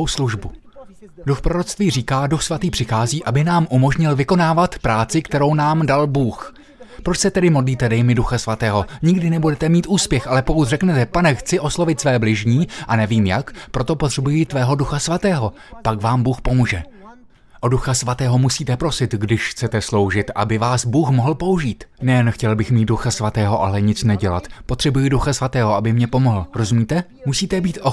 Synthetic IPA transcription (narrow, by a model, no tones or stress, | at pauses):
wsluʒbu | duxpɾo̞ɾo̞t̪t͡st̪viːriːkaːduxsvat̪iːpr̝̥ɪxaːziːʔabɪnaːmʔumo̞ʒɲɪlvɪko̞naːvat̪pɾaːt͡sɪkt̪ɛɾo̞wnaːmdalbuːx | pɾo̞t͡ʃsɛt̪ɛdɪmo̞dliːt̪ɛdɛjmɪduxasvat̪ɛːɦo̞ɲɪɡdɪnɛbudɛt̪ɛmiːt̪ʔuːspjɛxʔalɛpo̞kut̪rɛknɛt̪ɛpanɛxt͡sɪʔo̞slo̞vɪt̪svɛːblɪʒɲiːʔanɛviːmjakpɾo̞t̪o̞po̞t̪r̥ɛbujit̪vɛːɦo̞duxasvat̪ɛːɦo | pakvaːmbuːxpo̞muːʒɛ | ʔoduxasvat̪ɛːɦo̞musiːt̪ɛpɾo̞sɪt̪ɡdɪʃxt͡sɛt̪ɛslo̞wʒɪt̪ʔa̰bɪvaːsbuːxmoɦl̩po̞uʒiːt̪nɛjɛnxcɛlbɪxmiːt̪̚duxasvat̪ɛːɦo̞ʔalɛɲɪt͡snɛɟɛla̰t̪pot̪r̝̥ɛbujiduxasvat̪ɛːɦoʔabɪmɲɛpo̞moɦl̩ɾo̞zumiːt̪ɛ | musiːt̪ɛbiːt̪ʔo